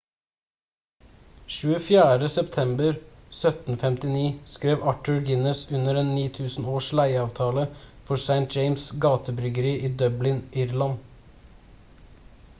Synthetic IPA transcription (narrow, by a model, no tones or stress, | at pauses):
ʃʉːəfjæːɾəsɛpt̪ʰɛmbəɾsœt̪n̩fɛmt̪ɪniːskɾeːʋɑʈʉɹɡɪnəsʉnəɾeːnːiːt̪ʰʉːsn̩oːʂlæɪɑːʋt̪ʰɑːləfɔsæɪnt̪̚d͡ʒɛɪmsɡɑːt̪ʰəbɾʏɡəɾiːʔiːd̪œblɪnʔɪɾlɑn